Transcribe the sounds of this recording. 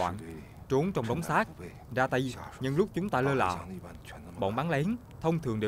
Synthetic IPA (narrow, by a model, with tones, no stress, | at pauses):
wa̰ː˧˨n | t͡ɕu˨˦ŋt͡ɕɔ˧wŋ͡mɗɔ˨˦wŋ͡msaː˦˥k̚ | zaː˧t̪ə˧jɲɨ˧ŋlʊ˦˥k͡p̚t͡ɕʊ˨˦ŋ͡mt̪aː˧ləː˧la̰ː˧˨˩ | ɓo̰˧˨nɓaː˨˦ŋlɛ˨˦n | t̪ʰə˧wŋ͡mt̪ʰɨ˨˩əŋɗe˨˩